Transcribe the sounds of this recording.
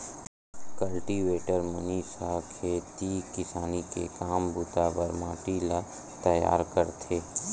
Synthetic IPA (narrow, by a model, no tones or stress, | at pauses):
kəlʈiʋeːʈəɾmʊniːsakʰeːt̪ikɪsaːnikekaːmbʊt̪abəɾmaːʈila | t̪ɐja̰ːɾkəɾt̪ʰeː